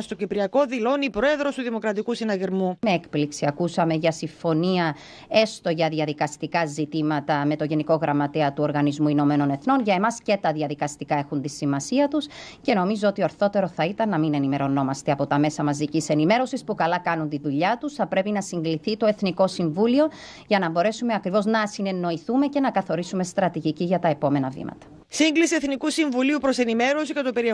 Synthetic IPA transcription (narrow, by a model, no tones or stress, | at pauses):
st̪ocipɾiɐko̞ðilo̞nipɾo̞e̞ðɾost̪uðimo̞kɾɐt̪ikusinɐɣiɾmume̞ekpliksiɐkusɐme̞ʝɐsiɱfo̞niɐ | e̞st̪o̞ʝɐðiɐðikɐst̪ikɐzit̪imɐt̪ɐme̞t̪o̞ʝe̞niko̞ɣɾɐmːɐt̪e̞ɐt̪uo̞ɾɣɐnizmuino̞me̞no̞ne̞θno̞nʝɐe̞mɐsce̞t̪ɐðiɐðikɐst̪ikɐe̞xunt̪isimɐsiɐt̪usce̞no̞mizoot̪ioɐɾθo̞t̪e̞ɾo̞θɐit̪ɐnːɐmine̞nime̞ɾo̞no̞mɐst̪e̞ɐpo̞t̪ɐme̞sɐmɐzðicise̞nime̞ɾo̞sispukɐlɐkɐnunt̪iðuʎɐt̪usθɐpɾe̞pinɐsiŋɡliθit̪o̞e̞θniko̞siɱvulio̞ | ʝɐnɐbo̞ɾe̞sume̞ɐkɾivo̞znɐsine̞nːo̞iθume̞ce̞nɐkɐθo̞ɾisume̞st̪ɾɐt̪iʝiciʝɐt̪ɐe̞po̞me̞nɐvḭmɐ̰t̪ɐ̥ | siŋɡlisie̞θnikusiɱvuliupɾo̞senime̞ɾo̞sicɐt̪opeɾi